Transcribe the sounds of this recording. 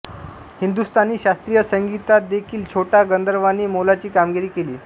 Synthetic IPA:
hind̪ust̪ʰaniːɕast̪ɾijəsəŋɡit̪at̪̚d̪ekʰiːlt͡ɕʰoʈaɡənd̪əɾʋaniːmolat͡ɕiːkamɡiɾiːkeliː

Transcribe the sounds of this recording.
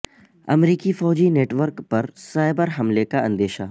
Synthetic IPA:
ɐ̰mɾiːkifɔːd͡ʑineːʈʋəɾkpɐɾsaːɪbəɾɦɐmlekaɐ̃nd̪eːʃa

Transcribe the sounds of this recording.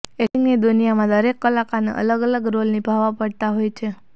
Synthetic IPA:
eiŋɡnid̪unijamãd̪əɾekːəlakanḛʔə̰ləɡələɡɾolnibʱaʋapəɽt̪aɦojt͡ʃʰe

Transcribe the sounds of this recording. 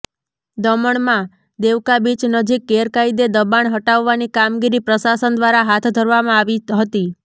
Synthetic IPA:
d̪əməɳmã | d̪eʋkabit͡ʃnəd͡ʒikːeɾkaid̪ed̪əbaɳɦəʈaʋːanikamɡiɾipɾəsasənd̪ʋaɾaɦat̪ʰd̪ʱəɾʋamãaʋiɦət̪i

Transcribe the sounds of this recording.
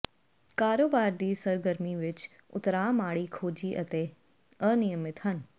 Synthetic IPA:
kaːɾoːbaːɾd̪iːsɐɾɡəɾmiʋɪt͡ʃ | ʊ̰t̪ɾaːmaːɽiːkʰoːd͡ʒiːʔɐt̪eː | ənijəmɪt̪ɦən

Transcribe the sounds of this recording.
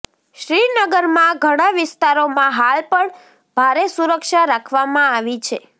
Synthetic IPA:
ʃɾinəɡəɾmãɡʱəɽ̃aʋɪst̪aɾomãɦalpəɳ | bʱaɾesuɾəkʃaɾakʰʋamãaʋit͡ʃʰe

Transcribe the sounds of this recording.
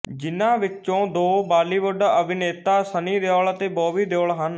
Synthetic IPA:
d͡ʒɪnãːʋɪt͡ʃõːd̪oːbaːliːʋəɖəbʱɪneːt̪aːsəniːd̪eoːɭət̪eːbɔːʋiːd̪oːɭɦən

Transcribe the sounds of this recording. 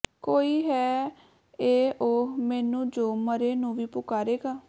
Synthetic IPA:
koːiːɦɛː | eːʔoːmɛːnũːd͡ʒoːməɾeːnũːʋiːpʊkaːɾeːɡaː

